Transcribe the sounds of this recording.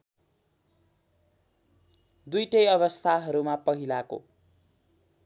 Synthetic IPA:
d̪ujʈʌjʌβʌst̪ʰaɦʌɾumapʌɦilako̰

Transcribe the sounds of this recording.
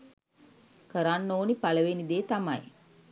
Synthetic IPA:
kəɾanːoːnipaləʋenid̪eːt̪amaj

